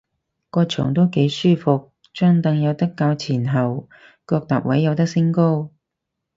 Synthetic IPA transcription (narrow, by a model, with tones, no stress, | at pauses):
kɔː˧t͡ʃʰɔ̰ː˨˩ŋt̪o˥wke˨˥jsyː˥fʊ˨k̚ | t͡ʃœː˥ŋt̪ɐ˧ŋjɐ˨˧wt̪ɐ˥kːaː˧wt͡sʰiː˨˩nɦɐ˨w | kɔː˧k̚t̪a̰ː˨k̚wɐ˨˥jːɐ˨˧wt̪ɐ˥k̚sɪ˥ŋko˥w